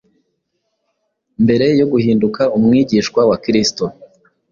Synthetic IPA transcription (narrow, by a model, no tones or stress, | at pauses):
mbe̞ɾe̞jo̞ɡuhiːndukaumŋiːɟiʃkwawakɾisto